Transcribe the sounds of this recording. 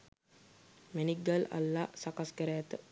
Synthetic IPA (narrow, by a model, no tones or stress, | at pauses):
meniɡala̰lːasakaskəɾæt̪ə